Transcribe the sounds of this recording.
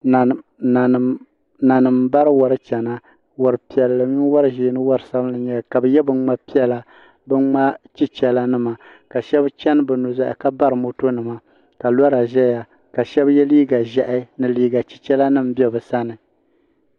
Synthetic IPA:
na˨nɨ˨mba˦ɾɨ˦wɔ˨ɾɨ˦t͡ʃɛ˨na˦ | wɔ˨ɾɨ˨pi˨ɛ˨lːɨ˨˦ɲi˦wa˦ɾɨ˦ʒiː˨˦nɨ˦wa˦ɾɨ˨sa˦m˦lɨ˨ɲɛ˦ka˨bɨ˨jɛ˦bɨ˦nŋ͡ma˦pi˦ɛ˦la˨ | bɨ˦nŋ͡ma˦t͡ʃi˦t͡ʃɛ˨la˦nɨ˦ma˨ | ka˨ʃɛ˦bt͡ʃɛ˦n˦bɨ˨nu˨za˨ʔɪ̰˨ka˦ba˦ɾɨ˨mo˨to˦nɨ˨ma˨ | ka˨la˦ɾa˨ʒɛ˦ja˨ | ka˨ʃɛ˦bjɛ˦liː˦ɡa˨ʒɛ˨ʔɪ˦nɨ˨liː˦ɡa˨t͡ʃi̥˦t͡ʃɛ˦la˦nɨ˦m˨bɛ˦bɨ˨sa˦nɨ˨

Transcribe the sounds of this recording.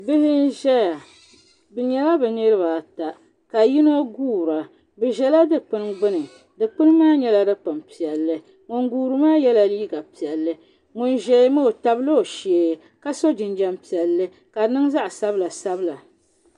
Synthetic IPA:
bɨ˦hɪ˦n˦ʒɛ˦ja˨ | bɨ˨ɲɛ˨la˦bɛ˨nɨ˦ɾɨ˦ba˨ta˨ | ka˨ji˦no˦ɡuː˦˨ɾa˨ | bɨ˨ʒɛ˨la˦dɨ˦˨k͡pɨ˦nɡ͡bɨ˦nɨ˨ | dɨ˨k͡pɨ˦n˦maː˦ɲɛ˦la˦dɨ˦pɨ˨mpi˨ɛ˨lːɨ˦ | ŋʊ˨ŋɡuː˦ɾɨ˦maː˦jɛ˦la˨liː˦ɡa˨pi˨ɛ˨lːɨ˦ | ŋʊ˨nʒɛ˦mo˦o˨ta˦blo˦˨ʃeː˨ | ka˦so˦d͡ʒɪ˨nd͡ʒɛ˦mpi˨ɛ˨lːɨ˦ | ka˨nɨ˦ŋza˦ʔsa˦bla˨sa˦bɨ˦la˨

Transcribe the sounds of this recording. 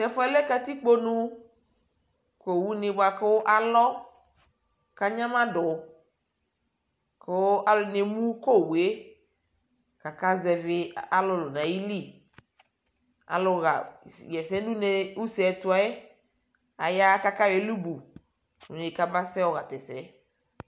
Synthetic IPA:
tɛ˨fɔ˦ɛ˦le˦ka˨t̪i˦k͡po˦nũ˦ | ko˨wu˦nɪ̃˨bʊ˦a˨ko˦ʔa˨lɔ˦ | ka˦ɲã˦mã˦dʊ˨˦ | ko˦a˦lʊ˨˦ne˨mũ˦ko˦˨we˨˦ | ka˨ka˦zɛ˨vɪ˦a˨lʊ˦lʊ˨nã˨ji˦li˦˨ | a̰˨lʊ˦ɣa̰˨jɛ˨sɛ˦du˦ne˨u˦sɛ˨tʊ˦a˨e˦ | a˨ja˦ka˦ka˦we˨˦lu˦bu˨ | ṵ˨ne˨ka˦ba˦sɛ˦wɔ˨ɣa˨t̪ɛ˨sɛ˨˦

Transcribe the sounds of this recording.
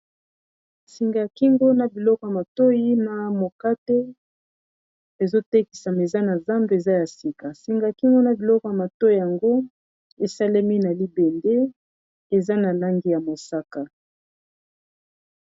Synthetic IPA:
si˨ŋɡa˨ki˦ŋɡo˦na˨bi˨lɔ˦kɔ˨ja˨ma˨to˦ji˦na˨mo˨ka˦te˦ | e˨zo˦te˦ki̥˨sa˨me˨za˦na˨za˦mbe˨e˨za˦ja˨si˨ka˨si˨ŋɡa˨a˨ki˦ŋɡo˦na˨bi˨lɔ˦kɔ˨ja˨ma˨to˦i˦˨ja˨ŋɡo˦ | e˨sa˦le˦mi˦na˨li˦bɛ˨nde˦ | e˨za˦na˨la˦ŋɡi˦ja˨mo˨sa˦ka˨

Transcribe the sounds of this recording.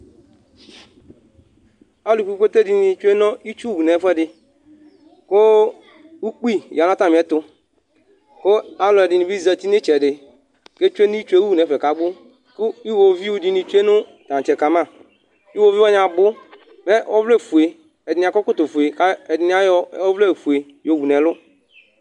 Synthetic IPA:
a˦lu˨ffe˦te˦di˨ni˨t͡ʃu˦e˦nɔ˦i˦t͡ʃu˦˨u˨nɛ˨˦fɛ˦dɪ˨ | ko˦ | u˦k͡pi˦ja˨na˦ta˦˨m˨ɛ˨˦tʊ˦ | ko˦a˦lɔ˨ɛ˨dɪ˨ni˨bi˦za˨ti˦ni˦t͡ʃɛ˨dɪ˨ | ke˦t͡ʃu˦e˦ni˦i˦t͡ʃu˦e˦wu˦u˨nɛ˨fɛ˨ka˨ɡ͡bʊ˦ | kʊ˦i˦wo˨vi˦wu˨dɪ˨ni˨t͡ʃu˦e˦nʊ˦tã˨t͡ʃɛ˨ka˨mã˦˨ | i˦wo˨vi˦wɔ˦ɲã˨bʊ˦ | mɛ˦ɔ˦vle˦˨fu˨e˨ | ɛ˨dɪ˨nɪ̃˨a˨kɔ˦kʊ˦to˨fu˨e˨ka˦ɛ˨dɪ˨n˦a˦jɔ˦ɔ˦vle˦˨fu˨e˨ | jo˨wu˨nɛ˨lʊ˦

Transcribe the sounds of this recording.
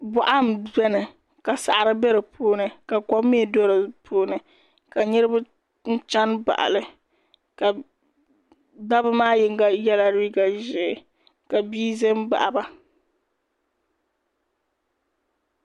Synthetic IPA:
bɔ˨ʔa˦m˨bɛ˦nɨ˨ | ka˨sa̰˨ʔa˨ɾɨ˦bɛ˦ɾɨ˨pʰuː˦nɨ˨ka˨kɔ˦mː˦i˦ɛ˨do˦ɾɨ˨pʰuː˦nɨ˨ | ka˨ɲɨ˦ɾɨ˦bʊ˦ | n̩˦t͡ʃa˦nba̰˨ʔa̰˨lɨ˨ | ka˨ | da˦bɨ˦maː˦jɪ˦ŋ˦ɡa˦jɛ˦la˦ɾiː˦ɡa˨ʒɪ˨ | ka˨biː˦zɛ˦mba̰˨ʔa˨ba˦

